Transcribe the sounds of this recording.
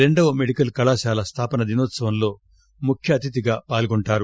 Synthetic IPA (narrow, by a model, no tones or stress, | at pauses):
ɾe̞ɳɖɐʋɐmeɽikɐlkɐlaːʃaːlɐst̪ʰaːpɐnɐd̪inoːt̪sɐʋɐmlo̞ː | mukʰjɐːt̪it̪̬iɡaːpaːlɡuɳʈaːɾu